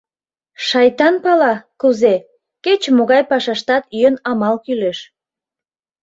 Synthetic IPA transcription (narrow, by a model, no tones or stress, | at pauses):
ʃɑjt̪ɑnpɑlɑkuze | ket͡ɕmoɣɑjpɑʃɑʃt̪ɑt̪yjənɑmɑlkyleʃ